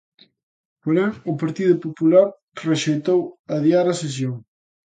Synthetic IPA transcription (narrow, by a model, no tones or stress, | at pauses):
poɾeŋʊpaɾt̪iðʊpopulaɾ | reʃejt̪owɐðiaɾɐses̬joŋ